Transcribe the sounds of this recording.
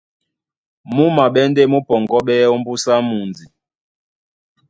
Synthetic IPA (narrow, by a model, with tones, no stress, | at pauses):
mu˦ma˨ɓɛ˦n˦de˦˨mu˦pɔ˨ŋɡɔ˦ɓɛ˦ɔ˦m˦bu˦sa˦mu˨nd͡zi˨